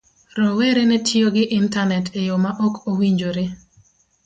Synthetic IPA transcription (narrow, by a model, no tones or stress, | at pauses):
ɾɔweɾenɛtʰjoɡɪʔɪntanɛtejomaʔɔkʰowiɲd͡ʒoɾe